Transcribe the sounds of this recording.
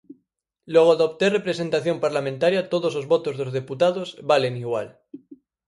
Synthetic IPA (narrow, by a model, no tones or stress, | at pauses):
loɣ̞oaðop̚t̪erepɾesent̪aθjompaɾlamẽnt̪aɾjat̪oðosozβot̪ozðozðeput̪aðozβaleniɣ̞wa̰l